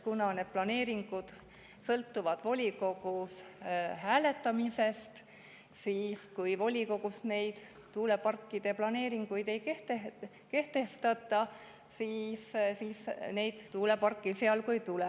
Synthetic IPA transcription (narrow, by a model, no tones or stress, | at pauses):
kunɑned̪̥̚plɑne̞ːɾiŋɡ̥ud̪̥ | sɤlt̪ːuvɑd̪̥vo̞lʲiko̞ɡ̥ushæːle̞t̪ˑːɑmise̞st̪ | siːskujvo̞lʲiko̞ɡ̥usne̞jd̪̥ | t̪uːle̞pɑrkːid̪̥e̞plɑne̞ːɾiŋɡ̥ujd̪e̞jkeht̪e | ke̞ht̪e̞st̪ɑt̪ːˑɑ | siːssiːsne̞jd̪̥t̪ːuːle̞pɑrkːˑiseɑlkujt̪ule